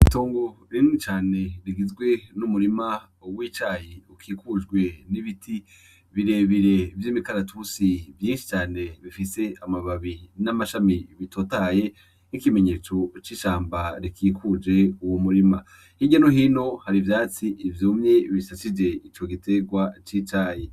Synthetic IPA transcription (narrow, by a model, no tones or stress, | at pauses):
itoːŋɡoɾinit͡ʃaːneɾiɡizɡwe̞numuɾima | wit͡ʃaːjiukʰikud͡ʒɡwe̞niβitʰi | βiɾe̞βiɾe̞ivjiːmikaɾatʰusivjiːnʃi̥t͡ʃaːne̞βifise̞amaβaβinamaʃamiβitoːtaje̞ | nikime̞ɲe̞ːt͡so̞t͡ʃiʃaːmbaɾikʰiːkʰud͡ʒe̞uwomuɾima | hiɟanoɦino̞haɾivjaːt͡siʔːvjoːmɲe̞βisasid͡ʒe̞it͡ʃo̞ɡitʰe̞ɡwat͡ʃit͡ʃaːji